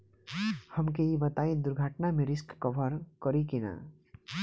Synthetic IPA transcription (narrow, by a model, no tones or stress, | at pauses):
hʌmkeibʌt̪aĩd̪uɾɡʱaʈnameɾiskːʌbʱʌɾkʌɾikina̰